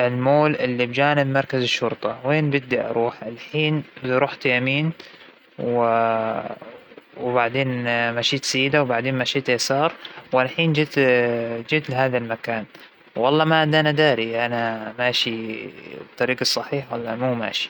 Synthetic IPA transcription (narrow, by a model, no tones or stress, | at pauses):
ʔɪlmoːlʔɪlːibd͡ʒaːnɪbmɑɾˤkazɪʃːʊɾt̪ˤɑweːnbɪd̪ːiʔɑ̰ɾˤuːħʔalħiːnbɪɾˤuːħt̪jamiːn | w | wbaʕd̪eːnmaːʃiːt̪sajːɪd̪awbaʕd̪eːnmaʃiːt̪jasɑːɾˤwalħiːnd͡ʒɪt̪d͡ʒɪːt̪lɪɦaːðalmakaːn | wːɑlˤːɑːmaʕad̪ʔanad̪aːɾiʔanamaːʃi | t̪ˤːɑɾiːɡɑsˤːɑħiːħwalːɑ̰muːma̰ːʃi̥